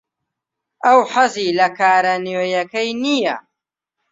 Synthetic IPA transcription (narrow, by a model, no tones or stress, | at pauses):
ʔɐwħɐziːlɐkʰaːɾɐnjoːjɐkɐjnijɐ̰